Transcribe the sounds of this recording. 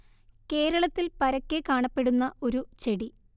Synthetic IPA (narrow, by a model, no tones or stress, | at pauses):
ke̞ːɾɐɭɐt̪ːilpɐɾɐkːekaːɳɐpːe̞ɽunːɐo̞ɾut͡ɕe̞ɽi